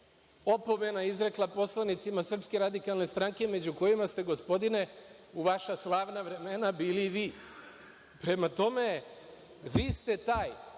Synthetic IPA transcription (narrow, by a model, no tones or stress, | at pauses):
o̞po̞me̞naizɾe̞klˠapo̞slˠanit̪simasr̩pske̞ɾad̪ikalˠne̞st̪ɾaŋke̞me̞d͡ʑuko̞jimast̪e̞ɡo̞spo̞d̪ine̞ | uʋaʃaslˠaːʋnaʋɾe̞me̞nabiːliːʋiː | pɾe̞mat̪o̞me̞ | ʋiːst̪e̞t̪aːj